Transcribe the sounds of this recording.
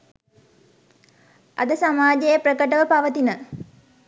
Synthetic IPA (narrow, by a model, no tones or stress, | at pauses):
ʔɐ̰d̪əsamaːd͡ʒejəprəkəʈəʋəpaʋət̪inə